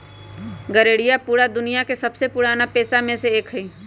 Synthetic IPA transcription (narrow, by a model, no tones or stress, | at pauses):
ɡəɾeːɽijapuːɽad̪ʊnijakesɐbsepʊːɽaːnapeːsamẽseeːkɦəiː